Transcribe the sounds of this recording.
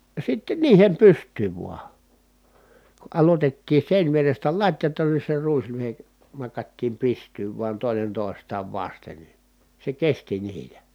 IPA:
jɑ sitːen niːhem pystˑyːʋ ʋuɑ ku ʔɑlotetːiː seˑinʲʋierestæ lɑtʲjɑtɑn ni se ruislyhe nɑkɑtːiːm pistˑyːʋ ʋuɑn toˑenen toˑestɑːʋ ʋɑsten ni se kesti niːlæ

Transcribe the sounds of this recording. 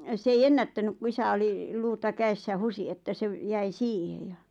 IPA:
s ei enːætːænyk ku isæ oli luːtɑ kæesːæ husi etːæ se ʋ jæi siːhe jɑ

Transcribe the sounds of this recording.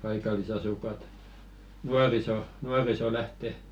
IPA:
pɑikɑlisɑsukˑɑt nuɑriso nuɑriso læhte

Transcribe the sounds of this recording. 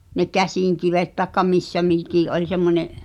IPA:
ne kæsiˑŋkiʋet tɑĕkːɑ misːæ mikiˑʔ ʔolʲ semːonʲeʔ

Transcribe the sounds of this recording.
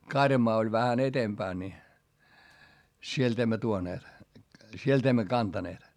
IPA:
kɑrjɑmɑː olʲ ʋæhæn etempæːn ni sielt emːæ tuoneːt sielt emːæ kɑntɑneːt

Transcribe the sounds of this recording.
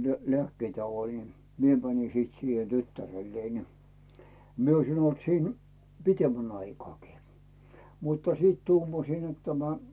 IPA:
ne leæˑkːeːt jɑ olʲin mie mæˑnʲi sit siːhe tytːærelːei ni mie oisin olt siːn pitemːæn ɑikŏɑˑkiː mutːɑ̥ siːt tuːmɑsiːn net tæmæ

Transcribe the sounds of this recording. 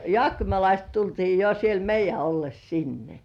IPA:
jŏɑˑkːimɑlɑist tultiː jo siel meijˑæ olːes sinːe

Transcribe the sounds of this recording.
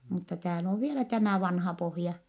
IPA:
mutːɑ tæːl oː ʋielæ tæmæˑ ʋɑnhɑ pohjɑ

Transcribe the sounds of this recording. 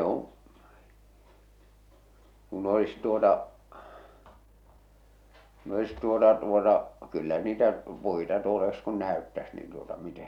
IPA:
õː kun olis tuotɑ kun olis tuotɑ tuotɑ kylːæ niːtæ puitɑ tuol olis kun næˑøtːæs niːn tuotɑ mite

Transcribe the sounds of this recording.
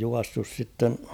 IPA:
juɑsːus sitːen

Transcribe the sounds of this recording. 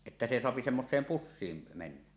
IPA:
etːæ se soɑpi semːosˑeːm pusːiːm menːæ

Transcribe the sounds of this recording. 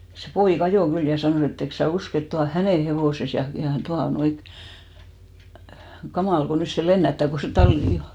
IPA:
se poik ɑjoˑ kyl jɑ sɑnoˑ et eks sæ usk et tuɑ on̞ hænen heʋoˑses jɑ jɑ tuɑnoi kɑmɑˑl ɡ̊o nys se lenːætːæˑ ko se tɑlːi

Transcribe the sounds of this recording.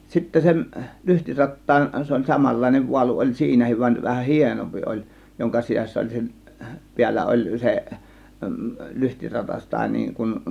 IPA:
sitːæ sen lyhtirɑtːɑːn se olʲ sɑmɑlːɑˑe̝neʋ ʋuɑlu olʲ siːnæhiʋ ʋɑnʲ ʋæhæn hienompi ʔolʲ joŋkɑ sisæsˑæ olʲ seʔ piælːæ olʲ se lyhtirɑtɑs tɑˑe̝ niːŋ kun

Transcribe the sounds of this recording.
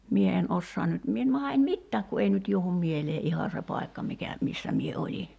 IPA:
mie en osːoɑn nyt mie en mɑhɑ en mitːæːk ku ei nyt juohum mieleː ʔihɑ se pɑi̞kːɑ mikæ misːæ mie olʲi

